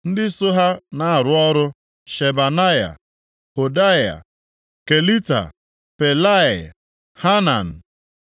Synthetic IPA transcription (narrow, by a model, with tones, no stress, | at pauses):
n̩˦dɪ˦so˦ɦa˦na˦a˨ɾʊ˨ɔ˦ɾʊ˦ | ʃe˨ba˨na˦ja̰˨ | ho˨da˦ja̰˨ | ke˨li˦ta̰˨ | pe˨la˦ɪ˨ | ha˦na̰˨n̩˨